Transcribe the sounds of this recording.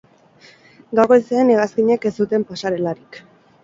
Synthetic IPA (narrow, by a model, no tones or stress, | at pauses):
ɡawɣoeseːneɣaskiɲe̞ke̞st̪ut̪e̞mpasaɾe̞laɾik